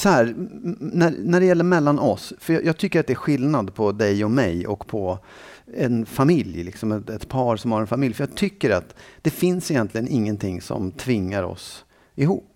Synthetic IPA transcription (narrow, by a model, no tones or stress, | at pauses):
sɔhæːɾnæɾnæɖɛjɛlːəɾmɛlːanɔsfœɾjɑjɑːɡ̚t̪ʰʏkːəɾat̪̚d̪ɛæɾɧɪlnad̪pʰɔd̪ɛjɔmɛjɔkːpʰɔ | ɛnfamɪljlɪ̰ksɔmɛɛt̪pʰɑːɾsɔmhaɾɛnfamɪljfœɾjɑːɡt̪ʰʏkːəɾat̪d̪̥ɛfɪnsɪjɛnt̪lɪɡənɪŋːənt̪ʰɪŋːsɔ̰mt̪ʰvɪŋːaɾɔ̰s | ɪɦṵːpː